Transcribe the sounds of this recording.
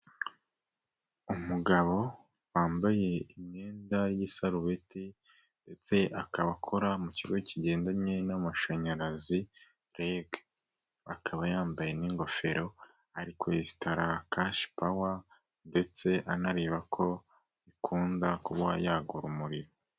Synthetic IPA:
umuɡaβo̞ | waːmbaje̞iɲe̞ːndajisaɾuβeti | nde̞t͡se̞ʔakaβakʰo̞ɾamuciɡoiciɟe̞ːndaɲɲenamaʃaɲaɾazi | ɾeɡ | akʰaβajaːmbajeniŋɡo̞fe̞ɾo̞ | aɾikweesi̥taɾakaʃpawa | nde̞t͡se̞ʔanaɾiːβakʰo̞ | ikʰuːndakuβwajaːɡuɾumuɾiɾo

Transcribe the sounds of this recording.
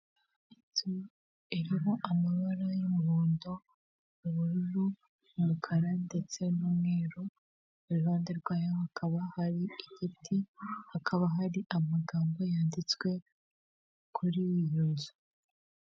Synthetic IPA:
itu | iɾiɦo̞ʔamaβaɾajimuβuːndo | uβuɾuɾu | mumukʰaɾande̞t͡se̞numŋe̞ːɾo | uɾuβaːndeɾɡwaːjohakʰaβahaɾiiɟitʰihakʰaβaɦaɾiʔamaɡaːmbo̞jaːndit͡swe̞ | kʰuɾiijuzo

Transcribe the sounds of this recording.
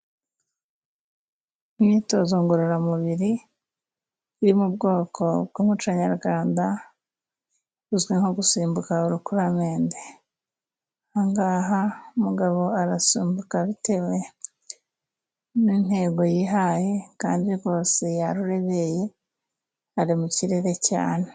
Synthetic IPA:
imɲiːto̞zoŋɡoɾoɾamuβiɾi | uɾimub̚ɡo̞ːkʰo̞b̚ɡuːmut͡ʃaɲaɾɡwaːnda | uzɡiŋo̞ɡusiːmbukauɾukuɾameːnde | aŋɡaɦaumuɡaβo̞aɾasiːmbukaβite̞βwe̞ | nin̥he̞ːɡo̞jiɦaːje̞kaːndiɡo̞ːse̞jaɾuɾe̞βe̞je̞ | aɾimuciɾe̞ɾe̞ca̰ːne

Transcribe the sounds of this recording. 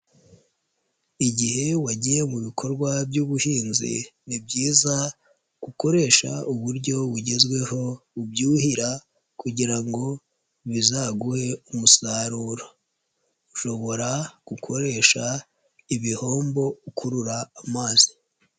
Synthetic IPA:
iɟihe̞waɟije̞muβikʰo̞ɾɡwabɟuːβuhiːnzḭnibɟiːza | ɡ̥uko̞ɾe̞ːʃa̰uβuɾɟo̞βuɟe̞zwe̞ho̞ubjuːhiɾa | kuɟiɾaŋɡo̞ | βizaɡuhe̞umusaɾuːɾo | uʃo̞βo̞ɾaɡ̥ukʰo̞ɾe̞ʃa | iβiho̞ːmbo̞ukʰuɾuɾaːmaːzi̥

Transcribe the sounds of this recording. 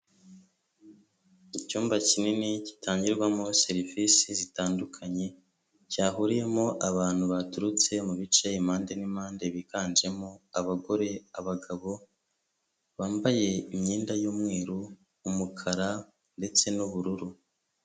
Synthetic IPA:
icuːmbacininicitaːɲɟiɾɡwamose̞ɾivisizitaːndukʰaɲe̞ | caːɦuɾije̞mo̞ʔaβaːn̥huβatuɾut͡se̞muβit͡ʃeimaːnde̞nimaːnde̞βikaːnd͡ʒe̞moaβaɡo̞ɾe̞aβaɡaβo̞ | βaːmbaje̞imɲiːndajuːmŋe̞ːɾuː | mukʰaɾa | nde̞t͡se̞nuβuɾuɾu

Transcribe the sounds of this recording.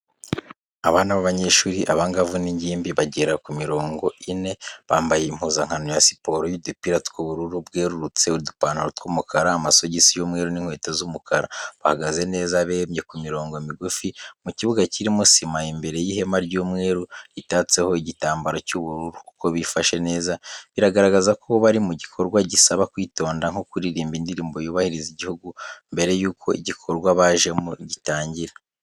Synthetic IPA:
aβaːnaβaβaɲe̞ʃuːɾiʔaβaŋɡavuniɲɟiːmbiβaɟeɾakumiɾo̞ːŋɡo̞ine̞βaːmbajeim̥huzaŋ̥hanojasi̥po̞ɾojidupiɾatkuβuɾuɾubɡeːɾuɾut͡se̞uidupaːnuɾutkumukʰaɾaːmaso̞ɟisijoːmŋe̞ːɾuniŋ̥we̞ːtozumukʰaɾaβahaɡaze̞ne̞ːzaβeːmɲe̞kumiɾo̞ːŋɡo̞miɡufimuciβuɡaciɾimusimaimbe̞ɾe̞jihe̞maɾɟuːmŋe̞ːɾuɾitaːt͡se̞ho̞iɟitaːmbaɾocuβuɾuɾuku̥ko̞βifaʃe̞ne̞ːzaβiɾaɡaɾaɡazakʰoβaɾimuɟikʰo̞ɾɡwaɟisaβakwiːto̞ːndaŋ̥okuɾiɾiːmbindiɾiːmbo̞juːβahiɾiziɟihuɡumbe̞ɾe̞juːkʰo̞iɟikʰo̞ɾɡwaβaːʒe̞muɟitaːɲɟiɾa

